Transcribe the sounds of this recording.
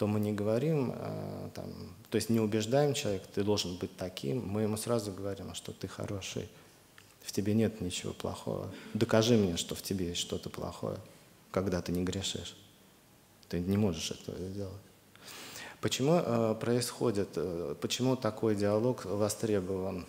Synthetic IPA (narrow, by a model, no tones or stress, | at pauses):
t̪o̞mɨnʲɪɡəvɐɾʲim̰t̪a̰mt̪o̞ɪsʲtʲnʲɪʊbʲɪʐd̪ajɪmt͡ɕɪlˠɐvʲekt̪ɨd̪o̞lˠʐɨnbɨt̚ʲt̪ɐkʲḭmːɨjɪmusɾazʊɡəvɐɾʲimʂt̪o̞t̪ɨxɐ̰ɾo̞ʂɨ̰j | ftʲɪbʲenʲe̞t̪nʲɪt͡ɕɪvo̞̰plˠɐ̰xo̰və̰d̪əkɐʐɨmnʲeʂt̪o̞ftʲɪbʲejesʲtʲʂt̪o̞t̪əplˠɐ̰xo̞̰jə̰ | kɐɡd̪at̪ɨnʲɪɡɾʲɪʂɨ̰ʂ | t̪ɨnʲɪmo̞ʐɨʂɛ̰t̪ə̰və̰zʲdʲe̞lˠətʲ | pət͡ɕɪmuʔəpɾəɪsxo̞dʲɪt̪əpət͡ɕɪmut̪ɐko̞jdʲɪɐlˠo̞kvɐst̪ɾʲe̞bəvən